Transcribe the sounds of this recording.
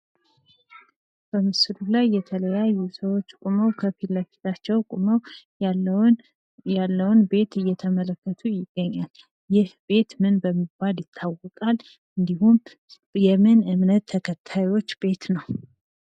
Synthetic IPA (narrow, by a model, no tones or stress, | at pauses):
b̥əmɨsɨlulajːɛt̪ʰələjajːusəwo̞t͡ʃːkʼuməwkʰəfilːəfi̥t̪ʰat͡ʃːɛwkʼuməw | alːəwnbe̞t̪ɨjːɛt̪ʰəmələkːət̪ʰujɪɡ̥ːəɲːal | jɪhbe̞t̪mɨnbəmːiɡ̚baljɪt̪ʰːawːəkʼal | ɨnd̪ihum | jɛmɨnɨmnət̪ʰːəkʰət̪ʰːajwo̞t͡ʃːbe̞t̪nəw